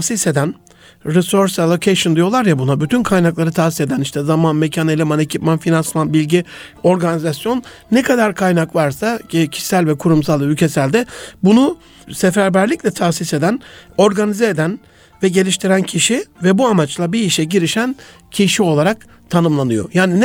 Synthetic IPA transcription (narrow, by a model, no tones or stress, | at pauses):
asise̞d̪æn | ɾiso̞ɾselˠo̞cʰejʃɯnd̪ijo̞lˠaɾjabunabyt̪ʰynkʰajnaklˠaɾɯt̪ʰaːsi̥se̞d̪æniʃt̪ʰɛzamanmecʰanelʲimane̞cʰipmanfinansmanbilʲɟi | o̞ɾɡanizasjo̞nː | ɛkʰad̪aɾkʰajnakvaɾsacʰi̥sælʲvɛkʰuɾumsalˠylʲcʰe̞sælʲd̪ɛbunu | sefæɾbæɾlʲicʲlʲɛt̪ʰasise̞d̪æno̞ɾɡanizɛed̪æn | vɛɟe̞lʲiʃt̪ʰiɾæncʰiʃivɛbuamat͡ʃlˠabiːʃɛɟiɾiʃæn | cʰiʃio̞lˠaɾak | t̪ʰanɯmlˠanɯjo̞̰jaːninɛ